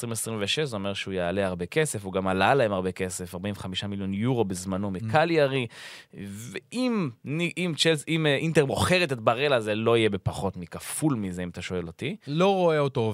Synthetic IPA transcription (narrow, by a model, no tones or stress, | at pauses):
esʁimesʁĩɱveʃeʃzeomeʁʃeujaːleaʁbe̞kese̞fuɡamalalaemaʁbe̞ke̞sefaʁbainveχamiʃamiljo̞njuʁo̞bezmano̞mekaljaʁi | veʔimniʔimt͡ʃelsimint̪eʁmo̞χeʁet̪et̪baʁelazelo̞ije̞be̞paχo̞t̪mikafulmizeimat̪aʃo̞e̞lot̪ilo̞ʁoeoto